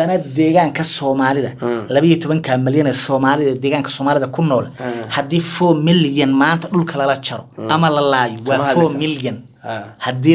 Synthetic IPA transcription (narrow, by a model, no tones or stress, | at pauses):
ɐnɐd̪ɛːɣaːŋkʰɐsɔːmaːlɪðɐlɐβijɔt̪ʰɔβɐŋkʰamɪljɐnɛːsɔːmaːlɪðɐd̪ɛːɣaːŋkʰɐ̥sɔːmaːlɪðɐkʰʊnɔːlhɐd̪iːfɔːmɪljɐnmaːnt̪ʰɐɗʊlkʰɐlɐlɐt͡ʃɐɾɔʔɐmɐlɐlaːjɔwwɑːfɔːmɪljɐn | hɐd̪iː